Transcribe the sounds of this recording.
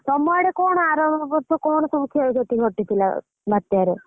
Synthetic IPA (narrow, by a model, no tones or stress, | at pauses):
sɔmɔɽekɔɽ̃ɔaɾɔmɔbɔɾsɔkɔɳ̃ɔt̪umikʰeld͡ʒʱɔʈiɡʱɔʈit̪ʰila̰ | bʱat̪jaɾe